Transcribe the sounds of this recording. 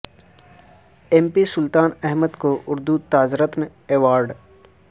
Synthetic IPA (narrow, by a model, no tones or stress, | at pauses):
empisʊlt̪aːnɛɦməd̪koʔʊɾd̪ut̪aːzɾət̪n | eːʋaːɾɖ